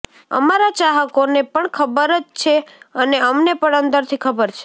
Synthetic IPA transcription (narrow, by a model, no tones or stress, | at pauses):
ə̰maɾat͡ʃaɦəkonepəɳkʰəbəɾət͡ʃt͡ʃʰeəneəmnepəɳənd̪əɾt̪ʰikʰəbəɾt͡ʃʰe̥